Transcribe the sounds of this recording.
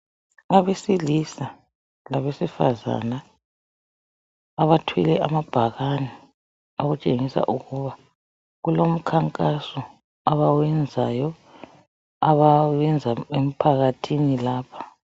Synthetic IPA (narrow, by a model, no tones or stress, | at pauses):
aβesilisa | laβesifa̰za̰na | βatʰwḭlɛʔamab̥ʱaɣani | oɣut͡ʃʼeŋisa̰ʔuɣuβa | ɣulom̩kʰaŋkʼasɔ | aβawɛnd͡zʱajɔ | aβaɛnd͡zʱaem̩pʰaɣatʰinilaːpʰḁ